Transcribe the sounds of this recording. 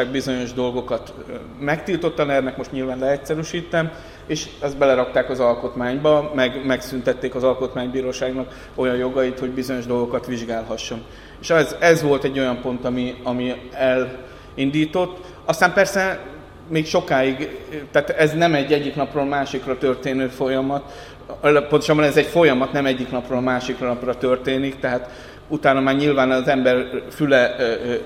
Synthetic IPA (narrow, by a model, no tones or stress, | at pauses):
aːɡ̚bizo̞ɲo̞ʒd̪o̞lɡo̞kɒt̪ | mɛkt̪iːlt̪o̞t̪ːɒnɛrnɛkmo̞ʃt̪ɲilvaːnlɛɛcsɛɾyʃiːt̪ːɛm | eːʃɛzbɛlɛɾɒkt̪aːkɒzɒlko̞t̪maːɲbɒmɛɡmɛksynt̪ɛt̪ːeːkɒzɒlko̞t̪maːɲbiːɾoːʃaːɡnɒk | o̞jɒjjo̞ɡɒit̪ho̞ɟbizo̞ɲo̞ʒd̪o̞lɡo̞kɒt̪ʋiʒɡaːlɦɒʃːo̞n | eːʃɛzɛzʋo̞lt̪ɛɟːo̞jɒmpo̞nt̪ɒmiɒmiɛl | ind̪iːt̪o̞t̪ː | ɒst̪aːmpɛrsɛ | meːkʃo̞kaːiɡt̪ɛːt̪ɛznɛmɛɟːɛɟːiknɒproːlmaːʃikrɒt̪ørt̪eːnøːfo̞jɒmɒt̪ | pont̪oʃɒbːɒnɛzɛcfo̞jɒmɒt̪nɛmɛɟːiknɒproːlmaːʃikrnɒprɒt̪ø̞rt̪eːnikt̪ɛɦaːt̪ | ut̪aːnɒmaːrɲilvaːnɒzɛmbɛrfylɛ